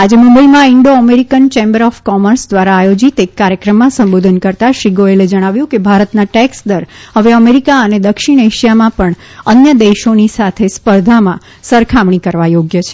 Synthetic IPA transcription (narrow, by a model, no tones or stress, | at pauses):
ad͡ʒeməmbəimãɪɳɖoəmeɾikənt͡ʃẽmbəɾɔfkɔməɾsd̪ʋaɾaːjod͡ʒit̪ekːaɾjəkɾəmːãsə̃mbod̪ʱənkəɾt̪aʃiɡoeled͡ʒəɽ̃aʋjũkebʱaɾət̪naʈɛksd̪əɾɦəʋeəmeɾikaəned̪əkʃiɳ̃eʃijamãpəɳ | ənjəd̪eʃonisat̪ʰespəɾd̪ʱamã | səɾkʰamɳikəɾʋajoɡjət͡ʃʰe̥